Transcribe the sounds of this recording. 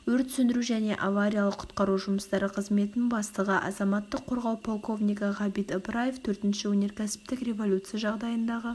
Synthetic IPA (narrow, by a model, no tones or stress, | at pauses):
wɵɾt̪sʏnd̪ɪɾuʒæne̞ʔavaɾʲijɑlˠəqʰʊ̥t̪qɑɾuʒʊməst̪ɑɾəqʰəzme̞t̪ɪnbɑst̪əʁəʔɑ̰zɑmɑt̪ːəqʰːo̞ɾʁɑwpʰo̞lˠko̞vnʲijkɑʁɑbit̪əbɾajeft̪ʰɵɾt̪ɪnʃɪwɵne̞ɾkʲʰæsɪ̥p̚t̪ɪkrʲe̞vo̞lʲut̪sɨjaʒɑʁd̪ɑjənd̪ɑʁə